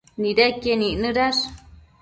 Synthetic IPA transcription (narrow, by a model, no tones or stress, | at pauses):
nĩɾekenĩnɨ̃ɾaʂ